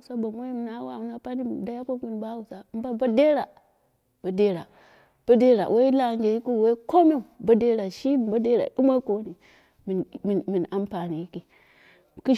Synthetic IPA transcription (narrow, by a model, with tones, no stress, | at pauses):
so˦ba˨mʷo˦i˦mi˨na˦wa˨u˦na˦pa˦ni˦˨da˦ja˦ko˦ki˦n˨ba˦wu˨sa˨˦m˦ba˦ba˦de˦ɾa˨ | b̥a˨de˦ɾa˨ | b̥a˦de˦ɾa̰˨wʔe˦i˦la˨˦ɡe˨ji˦ku˦˨we˦i˦ko˦mi˦˨ba˦de˦ɾa˨ʃi˦˨ba˦de˦ɾa̰˨u˦ma˦ko˦ni˨ | mi˨mi˨mi˨na˦mpa˨ni˨ji˦ki˨ | ki˦